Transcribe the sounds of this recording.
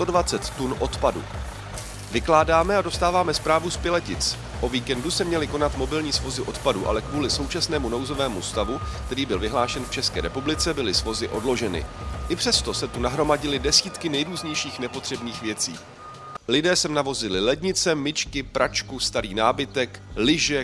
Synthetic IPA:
t̪o̞dvat͡sɛt̪ːunʔo̞t̪padṵ | vɪklaːdaːmɛado̞st̪aːvaːmɛspɾaːvuspɪlɛcɪt͡s | ʔo̞viːkɛndusɛmɲɛlɪko̞nat̪mo̞bɪlɲiːsvo̞zɪʔo̞t̪paduʔa̰lɛkvuːlɪso̞wt͡ʃasnɛːmuno̞wzo̞vɛːmust̪avukt̪ɛɾiːbɪlvɪɦlaːʃɛnft͡ʃɛskɛ̰ːɾɛpublɪt͡sɛbɪlɪsvo̞zɪʔo̞dlo̞ʒɛnɪ̰ʔɪpr̥ɛst̪o̞sɛt̪unaɦɾo̞maɟɪlɪdɛsiːt̪kɪnɛjɾuːzɲɛjʃiːxnɛpo̞t̪r̝̥ɛbniːxvjɛt͡sḭː | lɪdɛːsɛmnavo̞zɪlɪlɛdɲɪt͡sɛmɪt͡ʃkɪpɾʔat͡ʃkust̪aɾiːnaːbɪt̪ɛklɪʒɛ

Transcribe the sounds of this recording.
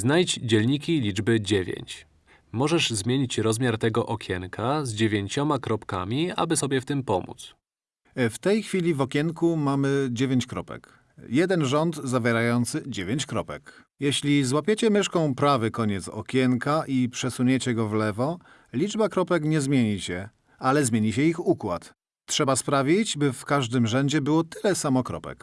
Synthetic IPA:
znajd͡ʑd͡ʑɛlɲikʲilʲid͡ʐbɘd͡ʑevʲjḛɲt͡ɕ | mɔʐɛʐzmʲjeɲit͡ɕɾɔzmʲjaɾt̪ɛɡɔʔɔkʲʰjɛŋkazd͡ʑevʲjeɲt͡ɕɔmakɾɔpka̰mʲia̰bɘsɔbʲjɛft̪ɘmpɔmṵt̪s | ft̪ɛjxfʲilʲivɔkʲjɛŋkumamɘd͡ʑevʲeɲt͡ɕkɾɔpɛ̰k | jɛd̪ɛnʐɔnd̪zavʲjɛɾajɔnt̪sɘd͡ʑevʲeɲt͡ɕkɾɔpɛk | jɛɕlʲizwapʲjet͡ɕɛmɘʂkɔ̃w̃pɾavɘkɔɲɛt̪sɔ̰kʲjɛŋkaʔipʂɛsuɲet͡ɕɛɡɔvlɛvɔ | lʲid͡ʐbakɾɔpɛkɲɛzmʲjeɲiɕɛ | alɛzmʲjeɲiɕɛixukwat̪ | tʂɛbaspɾavʲid͡ʑbɘfkaʐd̪ɘmʐɛɲd͡ʑɛbɘwɔt̪ɘlɛsamɔkɾɔ̰pɛ̰k

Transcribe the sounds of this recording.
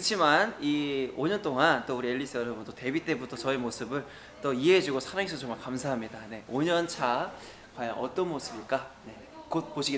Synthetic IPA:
kt͡ɕʰimanioɲʌnt͈oŋant͈ouɾieʎːis͈ʰɯʌɾʌbʌndote̞bit͈e̞butʰʌt͡ɕʌemosʰɯbɯɭ | t͈oiɦeɦed͡ʑuɡosʰaɾaŋesʰʌt͡ɕʌŋmaɭkamsʰaɦamɲidane̞oɲʌnt͡ɕʰa | kwaja̰ŋʔʌt͈ʌnmosʰɯbiɭk͈ane̞ | kot̚poɕʰiɡe

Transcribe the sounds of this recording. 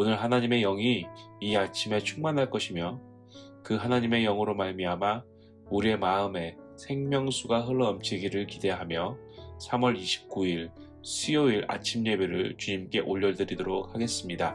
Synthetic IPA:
onɯɭɦanaɲime̞jʌŋiːat͡ɕʰime̞t͡ɕʰuŋmanɦaɭk͈ʌɕʰimjʌ | kɯɦanaɲime̞jʌŋɯɾomaɭmiɦama | uɾie̞maɯme̞sʰe̞ŋmjʌŋsʰuɡaɦɯɭːʌːmt͡ɕʰiɡiɾɯɭkide̞ɦamjʌ | sʰamwʌɾiɕʰi̥p̚k͈uiɭ | sʰioiɾa̰t͡ɕʰimɲe̞be̞ɾɯɭt͡ɕuɲimk͈e̞ʔoʎːʌɭdɯɾidoɾok̚haɡe̞s͈ɯmɲida

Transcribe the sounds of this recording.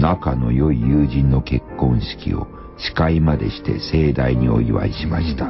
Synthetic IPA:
nakano̞̰jo̞ijɯːʑĩnːo̞ke̞kːõ̞ɰ̃ɕi̥kʲḭo̞̰ | ɕi̥kaimad̪e̞ɕi̥t̪e̞̰se̞ːd̪aiɲ̟io̞iβa̰iɕimaɕi̥t̪a

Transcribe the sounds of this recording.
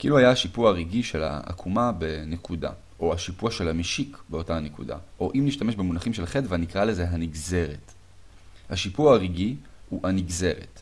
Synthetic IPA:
kʔiluhajaaʃipuaʁiɡiʃe̞la̰a̰kʰumabe̞ne̞kuda̰ | ʔo̞aʃipuaʃe̞lamiʃikbeo̞taːnekṵda̰ʔo̞ʔimniʃtameʃbe̞munaχimʃelχetvanikʁale̞ze̞ɦaniɡze̞ʁe̞t | haʃipuaʁiɡiuhaniɡze̞ʁe̞̰t

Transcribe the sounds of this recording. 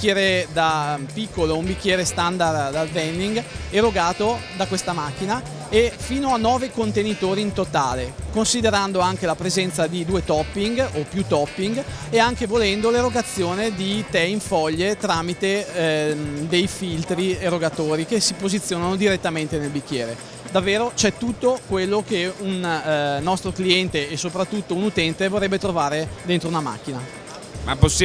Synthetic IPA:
kːjɛːɾed̪apikːoloumbikːjɛːɾest̪and̪ard̪alvɛnːiŋɡeɾoɡaːt̪od̪akwest̪amak̟ːina | efiːnoanːɔːvekont̪enit̪oːɾiːnt̪ot̪a̰ːlekonsid̪eɾand̪oaŋk̟elapɾezɛnt̪sad̪id̪uːet̪ɔpːiŋɡopːjut̪ɔpːiŋɡ | eaŋkevolɛnd̪oleroɡat̪sːjoːned̪it̪ɛiɱfɔʎːet̪ɾaːmit̪e | d̪ejfilt̪ɾieroɡat̪oːɾikesipozit̪sːjoːnanod̪iɾet̪ːament̪enelbikːjɛːɾe | d̪avːeːɾot͡ʃɛt̪ːut̪ːokwelːokeunː | ɔst̪ɾokliɛnt̪eːsopɾat̪ːut̪ːounut̪ɛnt̪evorːɛbːet̪ɾovaːɾed̪ent̪ɾounama̰k̟ːina | mapos

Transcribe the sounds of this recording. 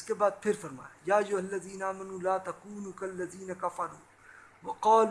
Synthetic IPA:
skebaːd̪̚pʰɪɾfɐɾma̰ːjaːʔɐjːʊɦɐlːɐziːnaʔaːmɐnuːlaːt̪ɐkuːnuːkɐlːɐziːnɐkɐfɐɾuː | wɐqɑːl

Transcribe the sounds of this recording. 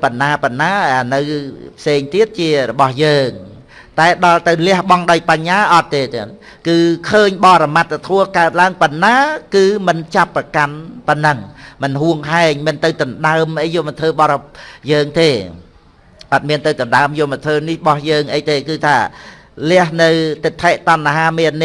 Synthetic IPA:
pɨnːaːpɨnːaːʔənɨwpʰseːŋt̪iət̪̚t͡ɕiərɔɓɑhjəːŋ | t̪aɛɗɑlt̪ɨwlɛ̆əhɓɑŋɗaɔjpaɲːaːʔɑt̪ːeːt̪n | kɨːkʰəːɲɓɑːɾamat̪̚ːt̪ʰuəkaət̪̚laəŋpɨnːaːkɨːmɨnt͡ɕapːrəkanpɨnːɨŋmɨnɦuəŋɦaɛŋmiənt̪ɨwt̪ɨnɗaəmʔəjːoːmɨnt̪ʰəːɓɑɾjəːŋt̪eː | ʔɑt̪̚miənt̪ɨwt̪ɨnɗaəmjoːmɨnt̪ʰʋəːnihɓɑhjəːŋʔəjt̪eːkɨːt̪ʰaː | lɛ̆əhnɨwt̪ɨt̪ʰːaːʔt̪onːaɦaːmeəni

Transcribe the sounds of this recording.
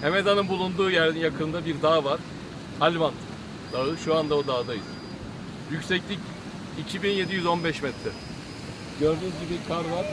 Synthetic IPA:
heme̞d̪anɯnbulˠund̪uːjæɾd̪injakʰɯnd̪abiɾd̪aːvaɾ̥ | alʲvan | d̪aɯʃuand̪aod̪aːd̪ajɯz̥ | jycsɛclʲic | icʰibinje̞d̪ijyzo̞nbɛʃmɛt̪ʰɾɛ | ɟøɾd̪yzɟibikʰaɾvaɾ

